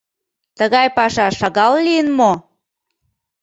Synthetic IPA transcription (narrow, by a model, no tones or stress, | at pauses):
t̪əɣɑjpɑʃɑʃɑɣɑllijənmo